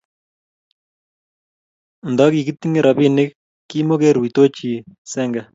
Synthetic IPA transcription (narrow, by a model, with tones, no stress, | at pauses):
ndɔ˦ki˨ki˦t̪i˦ŋe˦ɾʔɑ˨pi˦nɪ˦kː | i˦mo˦ke˦ɾwi˨to˦t͡ʃi˨sɛ˦ŋɡa˨